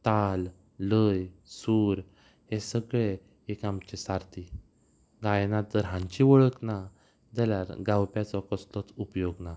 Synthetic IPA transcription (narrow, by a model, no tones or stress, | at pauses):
t̪alː | əjsuːɾ | hesəɡɭe | ekamt͡ɕesaɾt̪i | ɡajnat̪əɾɦãɲt͡ɕiʋəɭəkna | d͡zaljaɾɡawpjat͡sɔkəst̪ɔt͡supjoɡna